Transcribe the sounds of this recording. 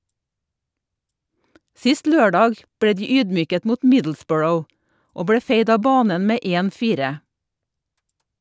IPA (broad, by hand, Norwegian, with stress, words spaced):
ˈsɪst ˈløːˌɖɑːɡ ˈbɽeː ˈdiː ˈyːdˌmyːkət ˈmuːt ˈmɪdl̩ˌsbɔɹəʊ ˈoː ˈbɽeː ˈfeɪd ˈɑː ˈbɑːnən ˈmeː ˈeːn ˈfiːɾə